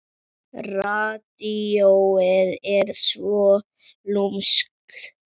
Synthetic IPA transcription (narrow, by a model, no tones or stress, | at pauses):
rat̪iowɪðɛɾsvɔ | lumsk